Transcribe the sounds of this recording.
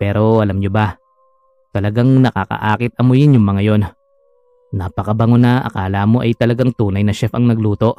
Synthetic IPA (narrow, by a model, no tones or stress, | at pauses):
pɛːɾo̞ʔɐlamɲoba | t̪ɐlɐɡaŋnɐka̰kɐ̰ʔaːkɪt̪̚ɐmojɪnjʊŋmɐŋajo̞n | naːpɐkɐbɐŋʊnaʔɐ̰kaːlamo̞ʔɐjt̪ɐlɐɡaŋt̪uːnɐjnɐʃɛfɐŋnɐɡluːt̪o̞ʔ